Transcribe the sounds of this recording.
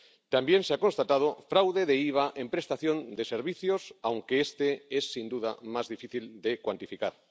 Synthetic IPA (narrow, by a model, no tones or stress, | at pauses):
t̪ambjẽnseako̞nst̪at̪að̞ofɾawðeðeiβ̞aʔempɾe̞st̪aθjo̞nd̪eseɾβiθjosawŋkeest̪eesːind̪uðamazðifiθild̪ekwant̪ifikaɾ